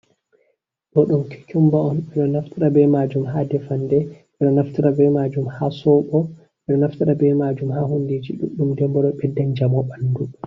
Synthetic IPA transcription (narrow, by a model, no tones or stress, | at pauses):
ɗɔɗumkʰi̥kumbaɔnɓɛɗɔnaftiɾabɛmad͡ʒumɦaːdɛfandɛ | ɛɗɔnaftiɾabɛmad͡ʒumhaːsɔɓɔ | ɓɛɗɔnaftiɗabɛmad͡ʒumɦaːɦunded͡ʒḭɗṵɗːumdɛmbɔɗɔɓɛdːand͡ʒamɔɓandu